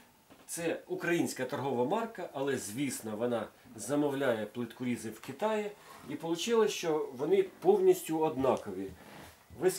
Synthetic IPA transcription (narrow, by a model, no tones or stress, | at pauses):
t̪sɛukɾɐjinʲsʲkɐt̪ɔrɦɔʋɐmɑrkɐʔɐlˠɛzʲʋʲisnɔʋɔnɑzɐmɔwlʲajɛplˠɪt̪kʊɾʲizɪwkɪt̪ɑjɪipɔlˠʊt͡ʃɪlˠɐʃt͡ʃɔʋɔnɪpɔwnʲisʲtʲʊɔd̪nɑkɔʋʲi | ʋɪ